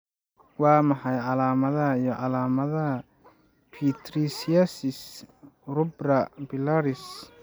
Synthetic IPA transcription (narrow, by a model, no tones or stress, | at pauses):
wɑːmɐħɑjʕɑlaːmɐðɐɦɐijɔʕɑlaːmɐðɐɦɐ | pʰit̪ʰɾisiɐsɪs | rʊbrɐbɪlaɾɪs